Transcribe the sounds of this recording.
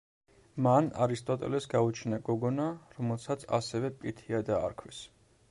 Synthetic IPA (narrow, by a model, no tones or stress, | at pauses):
mana̰ɾist̪ʼɔt̪ʼɛ̰lɛpsɡaut͡ʃʰnaɡɔɡɔnaɾɔmɛlˠsat̪sʰa̰sɛvɛpʼiɾt̪ʰiad̪a̰ːɾkʰwis